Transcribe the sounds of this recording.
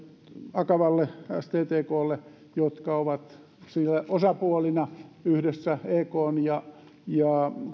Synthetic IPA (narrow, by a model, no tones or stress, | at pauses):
ɑkɑʋɑlːeæ̰st̪eːt̪eːkoːlːe | jot̪kɑoʋɑt̪ | silːæʔosɑpuolinɑyhdesːæeːkoːnjɑ | jɑ